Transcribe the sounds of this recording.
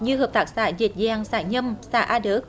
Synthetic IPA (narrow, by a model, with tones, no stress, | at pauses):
ɲɨ˧həː˨˩p̚t̪aː˨˩k̚sa̰ː˧˩zi˨˩t̚zaː˨˧˩ŋsaː˧˩ɲə˧msa̰ː˧˩˦ʔaː˧ɗə˨˦k̚